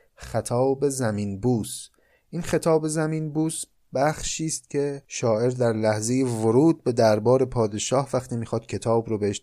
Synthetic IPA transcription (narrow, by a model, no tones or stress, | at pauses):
xæt̪ʰɒːbe̞zæmiːnbuːs | ʔiːnxe̞t̪ʰɒːbe̞zæmiːnbuːs | bæχʃiːst̪̚cʰe̞ʃɒːʔe̞ɾd̪æɾlæhze̞jevoɾuːd̪̚be̞d̪æɾbɒːɾe̞pʰɒːd̪e̞ʃɒːhvæxt̪ʰiːmiːxɒːd̪̥cʰe̞t̪ʰɒːbɾobeheʃ